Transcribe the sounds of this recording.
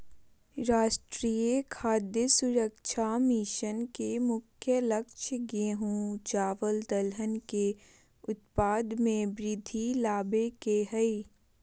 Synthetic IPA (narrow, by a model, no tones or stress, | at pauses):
ɾaːʃʈɾiekʰaːd̪jəsʊɾəkʃʰamiʃənkemʊkʰjələkʃʰəɡeɦũːd͡ʒaːʋəld̪əlɦənke | ʊt̪̚paːd̪mẽbɾɪd̪ʱilaːbekeɦəi